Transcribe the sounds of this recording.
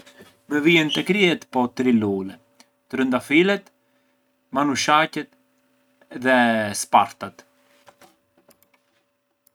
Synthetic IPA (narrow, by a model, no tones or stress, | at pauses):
mɛviɛnt̪ɛkɾiɛt̪pɔt̪ɾilulɛ | t̪ɾənd̪afilɛt̪ | manuʃacɛt̪ | ðɛspaɾt̪at̪